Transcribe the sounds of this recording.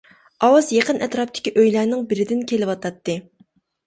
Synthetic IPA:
ɑwɑzjeqənʔɛt̪ɾɑp̚t̪ʰɪ̥kʲiʔøjlæɾnɪŋbɪɾɪd̪ɪnkʲʰelɪwɑt̪ʰɑt̪ːɨ

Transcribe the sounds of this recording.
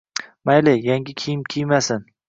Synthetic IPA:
majlɪjaŋɡʲɪkʲʰijɪmkʲʰijmasɪn

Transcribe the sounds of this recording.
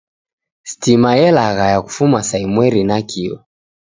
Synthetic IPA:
stimajɛlaɣajaku̥fumasaimwɛɾinakiɔ̰

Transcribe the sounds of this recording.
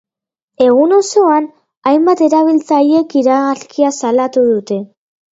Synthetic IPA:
e̞ɣ̞uno̞so̞an | ajmbat̪e̞ɾaβ̞ilt͡saje̞kiɾaɣaskiasalat̪uðut̪e̞

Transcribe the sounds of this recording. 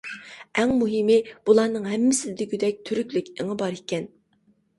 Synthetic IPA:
ɛŋmuɦɪmɪb̥ulˠɑnɨŋɦɛmːɪsɪd̪ɪɡʲyd̪ɛk̚ʲt̪ʰyɾykʲlykʲɪŋɨbɑɾikʲɛn

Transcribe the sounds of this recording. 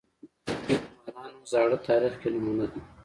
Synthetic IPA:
imanɑnzɑːɽət̪ɑːɾixkenʊmunad̪i

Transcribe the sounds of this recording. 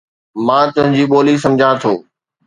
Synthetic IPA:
mãːt̪ʊ̃ɦɪ̃ɲd͡ʑiːɓoːlisɐ̃md͡ʑʱãt̪ʰoː

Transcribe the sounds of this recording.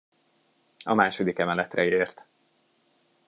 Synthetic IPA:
ɒmaːʃo̞d̪ikɛmɛlɛt̪rɛeːrt̪

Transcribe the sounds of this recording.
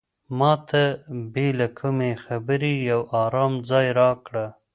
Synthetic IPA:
mɑt̪ʰabelakʰumexabəɾijawɑɾɑmd͡zɑjɾɑkɽa

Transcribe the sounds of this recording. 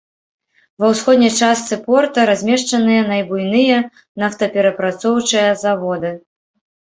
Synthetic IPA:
vɐwsxɔd̪nʲɐjt͡ʂast̪sɨpɔrt̪ɐɾazʲmʲɛʂt͡ʂɐnɨjɐnɐjbujnɨjɐ | naft̪ɐpʲɛɾɐpɾat̪sɔwt͡ʂɨjɐzavɔd̪ɨ

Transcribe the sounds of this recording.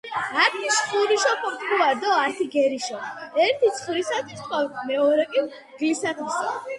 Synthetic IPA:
at̪ʰisχuɾiʃɔpʰɔt̪ʰʼkʰuad̪ɔat̪ʰiɡɛɾiʃɔɛɾt̪ʰit̪sʰχuɾisat̪ʰwi̥sʰwawtʰmɛɔɾɛkʼi | ɡ̪isat̪ʰisa

